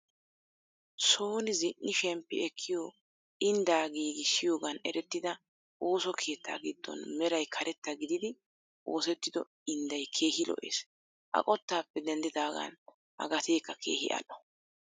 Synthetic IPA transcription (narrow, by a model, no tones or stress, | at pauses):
so̞ːnɪzɪʔːɪʃɛmpːɪ̰ɛkʰːɪjoː | ɪnd̪aːɡiːɡɪʃɪjo̞ːɡɐnɛɾɛt̪ːɪd̪ɐ | ʔo̞ːsɔkʰe̞ːt̪ːa̰ːɡɪd̪ːɔ̰nmɛɾɐjkʰɐɾɛt̪ːɐɡɪd̪ɪd̪ɪ | ʔo̞ːsɛt̪ːɪd̪ɔ | ɪnd̪ɐjkʰe̞ːhɪlɔ̰ʔḛːs | ʔɐ̰kʼɔt̪ːaːpːɛd̪ɛnd̪ɪd̪aːɡɐ̰n | ʔɐ̰ɡɐt̪e̞ːkːɐkʰe̞̰ːhɪ̰ʔɐ̰lɔ̥